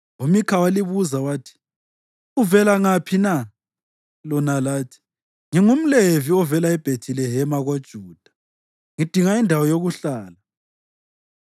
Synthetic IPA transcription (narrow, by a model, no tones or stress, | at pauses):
umikʰawaliβuzawaːtʰi̥ | uvɛlaŋapʰina | lɔnalaːtʰi̥ | ŋiŋum̩leviɔvɛlaɛb̥ʱetʰilɛɦɛmaɣod̥ʒ̥ʱuːd̥ʱa | ŋid̥ʱiŋaindʱawɔjoɣuɬaːla